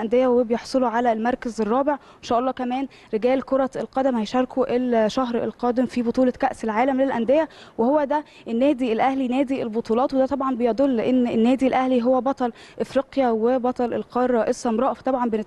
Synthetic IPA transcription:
ʔænd̪ejæwebejeħsˤoloʕalælmɑɾˤkæzerˤːɑːbeʕ | enʃæːʔɑlˤːɑːkæmæːn | ɾeɡæːlkoɾˤɑelqɑd̪æmhæjʃɑɾˤkuʔelʃæɦɾḛlqɑːd̪emfibot̪ˤuːlɑkæʔselʕaːlæmlelʔænd̪ejæwehowːæd̪æ | ʔenːæːd̪ielʔæhlinæːd̪ielbot̪ˤuːlɑːt̪wed̪æt̪ˤɑbʕɑnbejɑd̪ˤolːeʔenːenːæːd̪ilʔæhliɦowːæbɑt̪ˤɑlʔefɾiːqjæwebɑt̪ˤɑlʔelqɑɾˤːɑʔesːɑmɾˤɑːʔft̪ˤɑbʕɑmbene

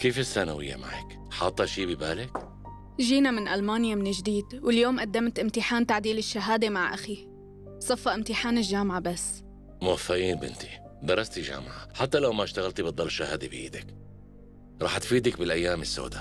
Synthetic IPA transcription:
keːfɪsːanawɪjːa̰ma̰ʕa̰k | ħɑːt̪ˤːɑʃiːbɪbaːlɪk | ʒiːnamɪnʔalmaːnjamɪnɪd͡ʒd̪iːd̪wɪljoːmʔad̪ːamt̪ʔɪmt̪ɪħaːnt̪aʕd̪iːlɪʃːaɦaːd̪emaʕʔaxi | sˤɑfːɑʔɪmt̪ɪħaːnɪlʒaːmʕabasː | mʊwafːaʔiːnbɪ̰nt̪i̥ | d̪ɑɾˤɑst̪iʒa̰ːmʕaħat̪ːalawmaʃt̪aɣalt̪ibɨt̪d̪ˤɑlːʃːahaːd̪ibɪjḭːd̪ak | ɾˤɑ̰ːħt̪fiːd̪akbɪlʔajːaːmɪsːo̰ːd̪a

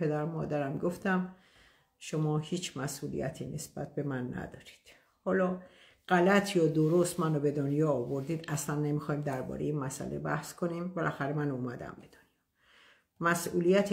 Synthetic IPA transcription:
pe̞d̪æɾmɒ̰ːd̪æɾæmɡoft̪æm | ʃomɒːhiːt͡ʃʰmæsʔuːlḭjæ̰t̪ʰḭːnʔe̞sb̥æ̰t̪̚be̞mænːæ̰d̪ɒːɾi̥d̪̥ | hɒːlɒː | ɢ̥ælæt̪ʰjɒːd̪oɾost̪mænobe̞d̪onjɒːbo̞ɾd̪iːd̪æslænːe̞mixɒjmd̪æɾbɒ̰ɾejeinmæsæ̰lebæhskʰo̞nimbelʔæxæɾemænuːmæd̪æ̰mbe̞d̪̥onjɒː | mæsʔuːlijæt̪ʰ

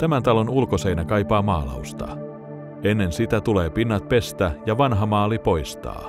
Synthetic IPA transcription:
t̪æmænt̪ɑlo̞nulkosejnækɑjpɑːmɑːlɑ̰ust̪ɑ̰ | e̞nːe̞nsit̪æt̪ule̞ːpinːɑt̪̚pe̞st̪æjɑʋɑnɦɑmɑːlipo̞jst̪ɑ̰ː

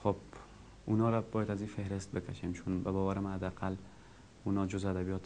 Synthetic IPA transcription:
χob | ʊnɒɾabɒjat̪azifehɾɪst̪̚bɪkʲʰaʃemt͡ʃʰʊnbabɒvaɾɪmad̪aqʰal | ʊnɒd͡ʒʊzad̪abijɒt̪ʰ

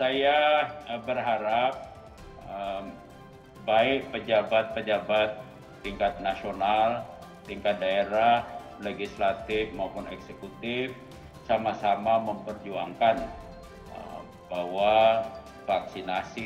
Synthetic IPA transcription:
sajaəbərɦaɾap̚ | əm | baɪk̚pəd͡ʒabat̪̚pəd͡ʒabat̪̚ː | iŋkat̪̚nasional | t̪iŋkat̪̚daeɾah | leɡislat̪ɪfmaupʊnɛksekut̪ɪf | samasamaməmpərd͡ʒuaŋkan | ə̰ | bahwa | faksinasi

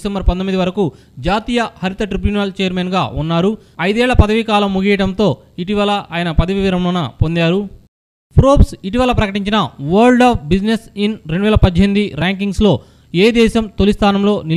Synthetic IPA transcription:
sɐmbɐɾpɐnt̪omid̪iʋɐɾɐku | d͡ʒaːt̪iːjɐhɐɾit̪ɐʈɾibjuːnɐlt͡ʃejɐɾmeːnɡaːunːaːɾu | ɐjd̪ɛːɭːɐpɐd̪ɐʋikaːlɐmːuɡiːjɐʈɐnt̪o̞ː | iʈ̬iʋɐlɐʔaːjɐnɐpɐd̪ɐʋiʋiɾɐmloːnɐpo̞nd̪aːɾu | pɾoːpsiʈiʋɐlɐpɾɐkɐʈiɲt͡ʃinɐʋɐɾlɖaːpbid͡ʒnesinɾeɳɖuʋɛːlɐpɐd̪ʱːjemid̪iɾaːŋkiŋɡslo̞ː | eːd̪ɛːʃɐmt̪o̞list̪ʰaːnɐmlo̞ːni

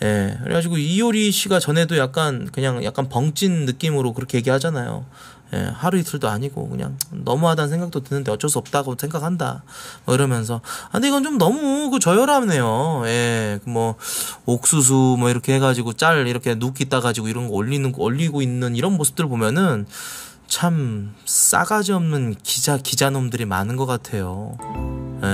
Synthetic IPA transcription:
je̞kɯ̰ɾḛɡad͡ʑiɡoioɾiɕʰiɡat͡ɕʌne̞dojak̚k͈ankɯɲaŋjʔa̰k͈anpʌŋt͡ɕ͈ʰinːɯk͈imɯɾokɯɾʌkʰe̞jeɡihad͡ʑanajo̰ | je̞̰haɾuisʰɯɭdoa̰ɲiɡo̰kɯ̰ɲa̰ŋnʌ̰muɦadansʰeŋɡak̚t͈otɯnːɯnde̞ʌt͡ɕ͈ʌs̬͈uʌp̚t͈aɡosʰŋɡakʰanda̰mʌkɯɾʌmjʌns̬ʰʌa̰ndeiɡʌnt͡ɕomnʌmukɯt͡ɕʌjʌɾane̞joje̞kɯmwʌok̚s͈us̬ʰumʌiɾʌkʰe̞he̞ɡad͡ʑiɡot͡ɕ͈aɭiɾʌkʰe̞nukʰit͈aɡad͡ʑiɡoiɾʌnɡʌoʎːinɯnɡʌoʎːiɡoinːɯniɾʌnmosʰɯ̥p̚t͈ɯɭpomjʌnɯn | t͡ɕʰams͈a̰ɡad͡ʑiʌmnɯnkid͡ʑakid͡ʑanomdɯɾima̰nɯnɡʌk͈atʰe̞jo | je

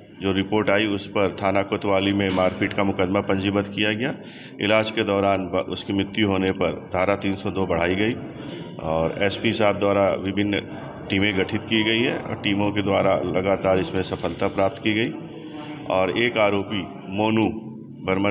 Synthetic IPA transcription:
d͡ʒoːɾɪpoːɾʈaːiʊspɐɾt̪ʰaːnaːkʊt̪ʋaːlimẽmaːɾpʰiːʈkamʊkəd̪mapɐ̃ɲd͡ʒibət̪kijaɡɐjaː | ɪ̰laːd͡ʒked̪ɔːɾaːnbʊ̰skimɪt̪ːjuɦoːnepɐɾd̪ʱaːɾat̪iːnsɔd̪oːbɐɽ̤aːiɡɐi | ɔːɾɛːspisaːɾ̚d̪waːɾaʋɪbʱɪnː | ʈiːmẽɡɐʈʰɪt̪kiɡɐiɦɛɔ̰ːɾʈiːmõked̪waːɾalɐɡaːt̪aːɾɪsmẽsɐfʰəlt̪ʰapɾaːp̚t̪kiɡɐiː | ɔːɾeːkaːɾoːpi | moːnu | bɐɾmə

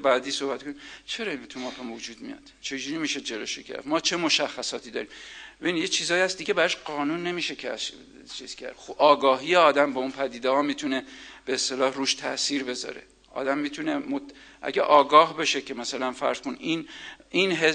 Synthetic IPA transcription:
bæːd̪iːsohbæt̪̚kʰonit͡ʃʰe̞ɾɒint̪ʰumɒːpʰemud͡ʒuːd̪̚mijɒ̰d̪̥t͡ʃʰe̞d͡ʒuɾimiʃed͡ʒe̞loʃecʰḛæ̰fmɒːt͡ʃʰe̞mo̞ʃæxːæsɒːt̪ʰid̪ɒ̰ːɾiːmbeinjet͡ʃʰiːzɒːjhæst̪d̪iɟebæɾɒʃɢɒːnunːe̞miːʃekʰæʃ | t͡ʃʰiz̥kʰæ̰ɾd̥̪xʔɒːɡɒːɦiːjeɒːd̪æmbeunpʰæd̪iːd̪ehɒːmiːt̪ʰuneb̥eest̪e̞lɒːhɾuːʃt̪ʰæʔsiːɾbe̞zɒ̰ɾḛ | ʔɒ̰ːd̪æmːiːt̪ʰunemoʔæ̰ɟæʔɒːɡɒːhbeʃecʲʰe̞mæsælænfæ̰ɾz̥konʔininɦe

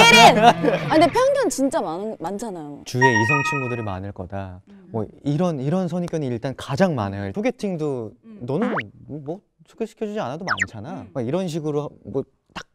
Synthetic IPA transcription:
andepʰjʌŋɡant͡ɕint͡ɕ͈amant͡ɕʰanajot͡ɕue̞is̬ʰʌŋt͡ɕʰiŋɡudɯɾɯma̰nɯɭk͈ʌ̰da | mwʌ̰iɾʌniɾʌns̬ʰʌɲikjʌniiɭt͈ankad͡ʑaŋma̰naiɭsʰoɡe̞tʰiŋdonʌnɯnmʌmwʌ | sʰoɡeɕʰi̥kʰjʌd͡ʑud͡ʑianadoma̰nt͡ɕʰanamaiɾʌnɕ̬ʰiɡɯɾomʌ | t͈ḁk̚

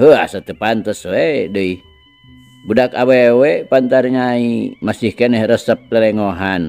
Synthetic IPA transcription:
ɦəasat̪əpant̪əswedəih | budakawewepant̪arɲaimasihkɛnɛhɾəsəp̚ləlɛŋoɦan

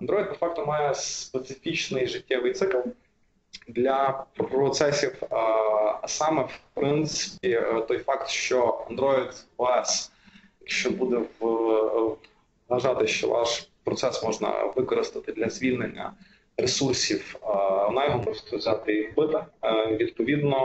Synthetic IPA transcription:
ɐnd̪ɾɔjd̪̚d̪efɑk̚t̪ɔmɑjɛspet̪sɪfʲit͡ʃnɪjʒɪtʲːɛʋɪjt̪sɪkɐl | d̪lʲɐpɾɔt̪sɛsʲif | sɑmɛwpɾɪnt̪sɪ̥pʲit̪ɔjfɑkt̪ʃt͡ʃɔɐ̰nd̪ɾɔjid̪ɔɛs | jɐkʃt͡ʃɔbud̪ɛʋ | ɦɐʒɑt̪ɪʃt͡ʃɔ̰ʋɑ̰ʃpɾɔt̪sɛsmɔʒnɐ̰ʋɪkɔɾɪst̪ɐt̪ɪd̪lʲɐzʲʋʲilʲnenʲːɐ̰ | ɾesursʲiwɔnɑjɔɦɔmɔʒst̪ɔzʲat̪ɪiɾbɪt̪ɪʋʲid̪̚pɔʋʲid̪nɔ

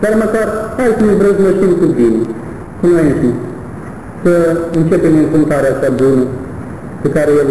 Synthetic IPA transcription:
d̪aɾməkarhajsəmevɾəzməʃinkut̪bine | kunojeʃnʲi | səɨnt͡ʃe̞peminfuŋk̪aɾeat͡ʃabunə | pekaɾejel

